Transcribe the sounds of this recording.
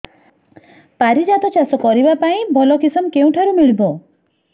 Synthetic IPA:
paɾid͡ʒat̪ɔt͡ʃasɔkɔɾibapaĩbʱɔlɔkisɔmkeũʈʰaɾumiɭibɔ

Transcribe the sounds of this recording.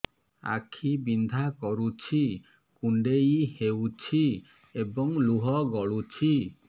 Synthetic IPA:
a̰kʰibind̪ʱakɔɾut͡ʃʰi | kuɳɖeihewt͡ʃʰi | ebɔŋluɦɔɡɔɭut͡ʃʰi

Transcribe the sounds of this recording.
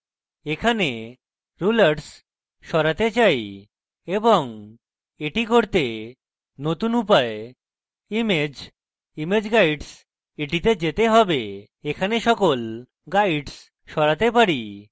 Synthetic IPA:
ekʰane | ɾulaɾɖs | ʃɔɾat̪et͡ɕaj | eboŋ | eʈikoɾt̪e | not̪unupae | imed͡ʑ | imed͡ʑɡajɖs | eʈit̪ed͡ʑet̪eɦɔbe | ekʰaneʃɔkol | ɡajɖs | ʃɔɾat̪epaɾi

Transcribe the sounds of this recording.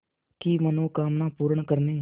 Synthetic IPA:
kimənũːkaːmnãːpuːɾəɳkəɾneː

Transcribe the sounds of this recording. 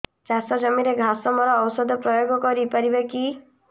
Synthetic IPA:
t͡ʃasɔd͡ʒɔmiɾeɡʱasɔmɔɾɔːwsɔd̪ʱɔpɾɔjoɡɔkɔɾipaɾibeki

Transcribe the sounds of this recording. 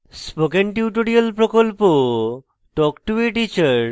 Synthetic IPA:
spokenʈuwʈoɖialpɾokolpo | ʈɔkʈuiʈit͡ɕaɾ

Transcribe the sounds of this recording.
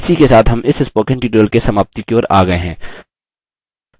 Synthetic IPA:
sikesaːt̪ɦɐmʔɪsɪspoːkɪ̃ɳʈiːʈoːlkesɐmaːb̚t̪ikeoːɾa̰ːɡɐeɦɛ̃ː

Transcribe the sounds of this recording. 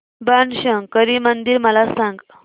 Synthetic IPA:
banɕəŋɡkəɾimənd̪iɾməlasãŋɡ

